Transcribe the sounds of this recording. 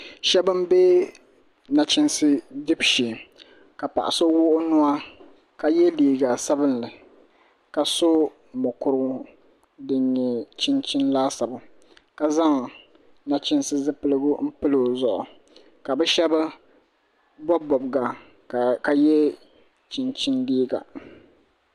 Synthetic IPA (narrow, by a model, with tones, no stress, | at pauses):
ʃɛ˦bɨ˦m˦be˦ | na˨t͡ʃɪ˦nsɨ˦dɨ˦bʃi˨ | ka˨pa̰˨ʔa̰˨so˦wʊ˦ʔʊ˦nʊ˦a˦ | ka˨jɛ˦liː˨ɡa˨sa˦bɨ˦nlɨ˨ | ka˨so˦ | mʊ˨kʊ˨ɾʊ˦ | dɨ˨ɲɲɛ˨t͡ʃɪ˦nt͡ʃɪ˦nlaː˦sa˨bʊ˨ | ka˨za˦ŋ˨ | na˦t͡ʃɪ˦nsɨ˦zɨ˦pɨ˦lɨ˦ɡʊ˦m̩˦pɨ˦lo˨zʊ˨ʔʊ˨ | ka˨bɛ˦ʃɛ˦ba˦ | bɔ˦bɔ˨bɡa˨ | ka˨jɛ˦ | t͡ʃɪ˨nt͡ʃɪ˦ndiː˦ɡa̰˨